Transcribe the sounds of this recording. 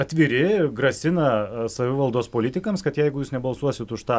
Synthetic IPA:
ɐt̪ʲʋʲɪɾʲɪɡɾɐsʲɪnɐsɐʋʲɪʋɐlˠd̪oːspoːlʲɪt̪ʲɪkɐmskɐt̪jɛɪɡʊjuːsnʲɛbɐlˠsuɔsʲɪt̪ʊʃt̪ɑː

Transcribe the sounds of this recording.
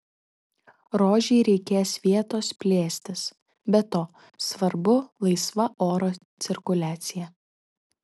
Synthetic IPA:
ɾoːʒʲɛɪɾʲɛɪkʲeːsʋʲiɛt̪oːspʲlʲeːsʲt̪ʲɪs | bʲɛt̪oː | sʋɐɾbʊlˠɐɪsʋɐʔoːɾoːt̪sʲɪɾkʊlʲæːt̪sʲɪjɛ

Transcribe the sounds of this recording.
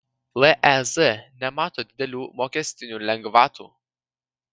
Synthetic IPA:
lˠɛʔɛzɛnʲɛmɑːt̪oːd̪ʲɪd̪ʲɛlʲuːmoːkʲɛsʲt̪ʲɪnʲuːlʲɛŋɡʋɑːt̪ṵː

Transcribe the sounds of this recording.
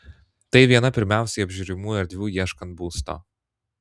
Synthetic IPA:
t̪ɐɪʋʲiɛnɐpʲɪɾʲmʲæˑʊsʲɛɪɐbʲʒʲʊɾʲɪmuːɛɾʲd̪ʲʋʲuːjiɛʃkɐnt̪̚buːst̪o̰ː

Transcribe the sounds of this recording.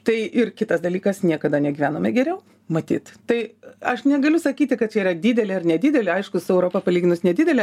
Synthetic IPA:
t̪ɐɪʔɪrkʲɪt̪ɐsd̪ɐlʲiːkɐsnʲiɛkɐd̪ɐnʲɛɡʲiːʋʲæːnoːmʲɛɡʲɛɾʲɛʊ | mɐt̪ʲḭːt̪t̪ɐɪɐʃnʲɛɡɐlʲʊsɐkʲiːt̪ʲɪkɐt̪̚t͡ʃʲɛirɾɐd̪ʲiːd̪ʲɛlʲɛɐrnʲɛd̪ʲɪːd̪ʲɛlʲɪɐɪʃkʊsʊɛʊɾoːpɐpɐlʲiːɡʲɪnʊsnʲɛd̪ʲɪːd̪ʲɛlʲɛ

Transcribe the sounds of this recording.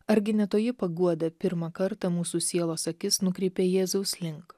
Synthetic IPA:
ɐɾʲɡʲɪnʲɛt̪oːjɪpɐɡuɔd̪ɐpʲɪɾmɐkɐɾt̪ɐmuːsuːsʲiɛlˠoːsɐkʲɪsnʊkɾʲɛɪpʲeːjɛːzɐʊslʲɪŋk

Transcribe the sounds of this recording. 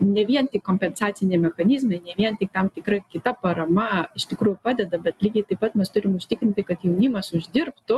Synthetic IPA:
nʲɛʋʲiɛnt̪ʲɪkoːmʲpʲɛnsɑːt̪sʲɪnʲemʲɛxɐnʲɪzmɐɪnʲɛʋʲiɛnt̪ʲɪk̚t̪ɐmt̪ʲɪkɾɐkʲɪt̪ɐpɐɾɐmɐɪʃʲt̪ʲɪkɾuːjʊpɑːd̪ʲɛd̪ɐbʲɛt̪lʲiːɡʲɛɪt̪ɐɪpːɐt̪mʲɛst̪ʊɾʲɪmʊʃʲt̪ʲɪkɾʲɪnʲt̪ʲɪkɐt̪jɛʊnʲɪmɐsʊʒʲd̪ʲɪrpt̪ʊ

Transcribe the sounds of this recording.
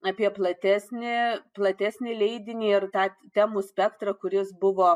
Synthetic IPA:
ɑːpʲiɛplˠɐt̪ʲæːsʲnʲɪplˠɐt̪ʲæːsʲnʲɪlʲɛɪd̪ʲɪnʲiːɪrt̪ɑːt̪ʲæmusʲpʲɛkt̪ɾɐkʊɾʲɪsbʊʋoː

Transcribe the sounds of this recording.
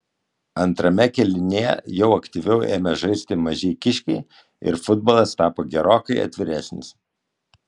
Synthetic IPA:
ɐnt̪ɾɐmʲɛkʲɛlʲɪnʲejɛ̰jɛʊɐkt̪ʲɪʋʲɛʊʔḛːmʲɛʒɐɪsʲt̪ʲɪmɐʒʲɛɪkʲɪʃʲkʲɛɪ | ɪ̰ɾfʊd̪̚boːlˠɐst̪ɑːpoːɡʲɛɾoːkɐɪɐ̰t̪ʲʋʲɪɾʲæsʲnʲɪ̰s

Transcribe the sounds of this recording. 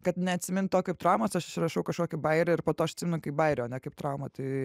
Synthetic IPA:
kɐt̪nʲɛɐt̪ʲsʲɪmʲɪnt̪oːkʲɐɪp̚t̪ɾɐʊmoːsɐʃɪʃʲrɐʃɐʊkɐʃkoːkʲɪbɐɪɾʲɛɪrpoːt̪oːɐʃɐt̪ʲsʲɪmʲɪnʊkɐɪp̚bɐɪɾʲɛɐnʲɛkɐɪpt̪ɾɐʊmɐt̪ɐɪ

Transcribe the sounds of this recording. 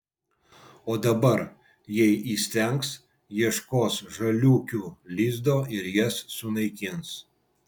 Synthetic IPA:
oːd̪ɐbɐɾ | jɛɪʔiːsʲt̪ʲɛŋks | jiɛʃkoːsʒɐlʲuːkʲuːlʲiːzd̪oːʔɪɾjɛsːʊnɐɪkʲɪns

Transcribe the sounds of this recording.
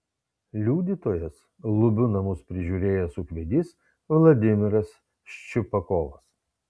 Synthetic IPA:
lʲuːd̪ʲiːt̪oːjɛs | lˠʊbʲʊnɐmʊspʲɾʲɪʒʲuːɾʲeːjɛsʊkʋʲɛd̪ʲis | ʋlˠɐd̪ʲɪmʲɪɾɐs | ʃt͡ʃʲʊpɐkɔːʋɐs

